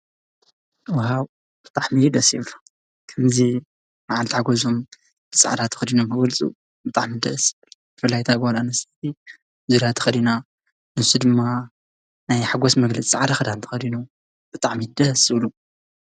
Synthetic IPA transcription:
wahaw | b̥ɨt̪ʼaʕmijd̪ɐsjiβlu | kʰɐmzi | maʕalt̪ʰħaɡozom | b̥ɨsʼa̰ʕd̪at̪ʰɐ̥xɐd̪inomkʰɐɡɐlt͡sʼṵ | bɨt̪ʼaʕmid̪ɐʔsβlub̥ɨfɨlːajt̪ʰabɨholanɐsɐt̪ʰi | zuɾat̪ʰɐ̥xɐd̪ina | nɨsud̪ɨmːa | najħaɡosmɐɡlɐt͡sʼt͡sʼaʕd̪axɐd̪ant̪ʰɐ̥xɐd̪ino | b̥ɨt̪ʼaʕmid̪ɐsɨβlu

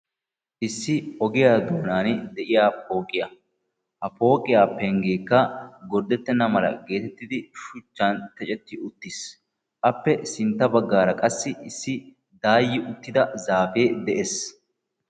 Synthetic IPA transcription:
ʔɪsːɪɔɡɪjaːd̪oːnaːnd̪ɛʔɪjaːpo̞ːkʼɪjɐ | hɐpo̞ːkʼɪjaːpɛŋɡeːkːɐɡɔɾd̪ɛt̪ːɛnːɐmɐlɐ̰ɡe̞ːt̪ɛt̪ːɪd̪ɪʃʊt͡ʃːɐnt̪ɛt͡ʃʼɛt̪ːɪʔʊt̪ːɪs | ʔɐpːɛsɪnt̪ːɐbɐɡːaːɾɐkʼɐsːɪɪsːɪ | d̪aːjːɪʔʊt̪ːɪd̪ɐzaːfeːd̪ɛʔes

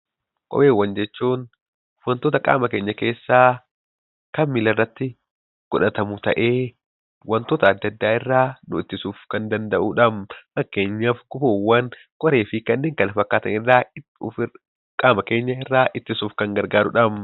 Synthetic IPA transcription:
kʼɔ̰beːwːɐnd͡ʒɛt͡ʃːuːn | wɐnt̪oːt̪ɐkʼa̰ːmɐke̞ːɲːɐke̞ːsːaː | kɐmmɪlɐrːɐt̪ːɪ | ɡ̥ɔᶑɐt̪ɐmʊt̪ɐʔe̞ː | wɐnt̪oːt̪ɐːd̪ːɐd̪ːaːɪrːaːnʊɪt̪ːɪsuːfkɐnd̪ɐnd̪ɐʔuᶑɐmfɐkːeːɲːafɡʊboːwːɐn | kʼɔɾe̞ːfɪkɐnːeːŋkɐnɐfɐkːaːt̪ɐnɪrːaː | kʼaːmɐke̞ːɲːɐɪrːaːʔɪt̪ːɪsuːfkɐŋɡɐɾɡaːɾʊᶑɐm

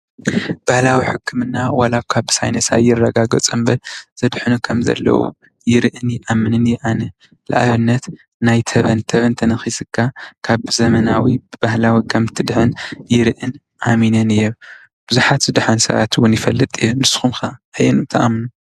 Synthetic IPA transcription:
b̥ahlawiħɨkʰːɨmɨnːawalabkʰaβsa̰jnɐsa̰jːɪrːɐɡaɡɐt͡sʼɨmbɐlzɐd̪ħɨnukʰɐmzɐ̰lːɐ̰wṵ | jɪɾɨʔɨnjɪʔamːɨnɨnjɪʔanɐ | la̰ʔaβɨnːɐt̪ | najt̪ʰɐβɐnt̪ʰɐβɐnt̪ʰɐnɐxisɨkʰːakʰaβzɐmɐnawibɨbahlawikʰɐmt̪ʰɨd̪ħɨnjɪɾɨʔɨn | ʔaminɐnɨjːo | b̥ɨzuħat̪zɨd̪ɨħɐnsɐ̰βa̰t̪wʊnjɪfɐlːɨt̪ʼɨjːonɨsːɨ̥xumxaajɛnɨt̪ʰɐʔa̰mnu

